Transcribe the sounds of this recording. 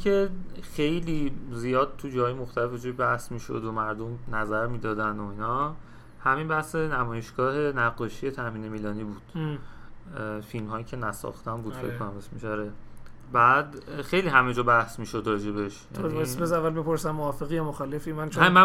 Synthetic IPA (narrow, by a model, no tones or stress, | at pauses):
exe̞jliːzijɒːd̪̥̚t̪ʰud͡ʒɒhɒːjemoxt̪ælefed͡ʒojbæhsmiːʃo̰d̪omæɾd̪omnæzæɾmiːd̪ɒːd̪ænoinɒː | hæminbæhsenæmɒːje̞ʃɡ̥ɒːɦe̞næɡːɒːʃije̞t̪ʰæmiːne̞miːlɒːniːbuːd̪̥ | filmɦɒːjiːcʰe̞næsɒ̰xt̪æmbuːd̪fekkːonæmesmeʃæɾe | bæːd̪xe̞jliɦæmed͡ʒɒːbæhsmiːʃo̞d̪ɾɒːd͡ʒe̞beʃjæ̰bjesbezævːælbipoɾsæmːoɒːfeɣijɒmoxɒːlefimænt͡ʃʰmæ